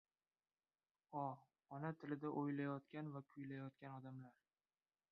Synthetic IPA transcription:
ɒ | ɒnat̪ʰɪlɪd̪aʔojlajɒt̪kʲanvapʰʊjlajɒt̪̚kʲanɒd̪amlaɾ

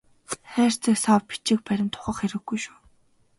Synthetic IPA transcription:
χæːr̥t͡sə̆ksaːwpi̥t͡ɕɪ̆k̚pæɾʲɪ̆nt̪ʰʊ̥χə̆χxeɾɘ̆ɡɡujʃu̥ː

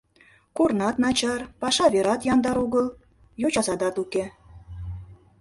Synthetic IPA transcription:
kornɑt̪nɑt͡ɕɑrpɑʃɑβeɾɑt̪jɑnd̪ɑɾuɣəl | jot͡ɕɑzɑd̪ɑt̪uke

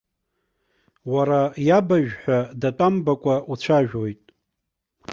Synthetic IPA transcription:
waɾajabaʒᶣħʷᶣadatʷʼambakʷʼaut͡ɕʷʰaʒᶣojtʼ

